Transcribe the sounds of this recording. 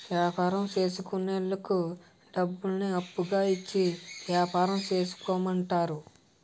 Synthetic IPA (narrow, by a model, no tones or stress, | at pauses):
ʋjaːpaːɾɐmt͡ʃe̞ːsukuneɭːɐku | ɖɐbːulniɐpːuɡaːit͡ʃːiʋjaːpaːɾɐmt͡ʃe̞ːsu̥koːmɐɳʈaːɾu